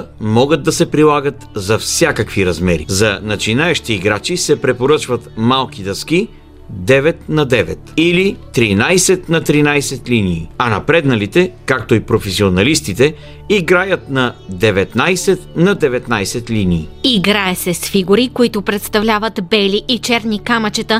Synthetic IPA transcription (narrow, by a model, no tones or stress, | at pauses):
mɔɡəd̪̚d̪ːɐsɛpɾilˠaɡət̪zɐfsʲjakəkviɾɐzmɛɾḭzɐnɐt͡ʃinaɛʃt̪iːɡɾat͡ʃisɛpɾɛpoɾɤt͡ʃvɐt̪malˠk̟id̪ɐski | d̪ɛvɛt̪nɐd̪ɛvɛ̰t̪ilit̪ɾinajsɛt̪nɐt̪ɾinajsɛt̪liniːɐnɐpɾɛd̪nɐlit̪ɛkak̚t̪oipɾofɛsionɐlist̪it̪ɛ | iɡɾajət̪nɐd̪ɛvɛt̪najsɛt̪nɐd̪ɛvɛt̪najsɛt̪liniːiɡɾaɛsɛsfiɡuɾikoit̪ʊpɾɛt̪st̪ɐvlʲavət̪bɛliʔit͡ʃɛɾnikamɐt͡ʃɛt̪ə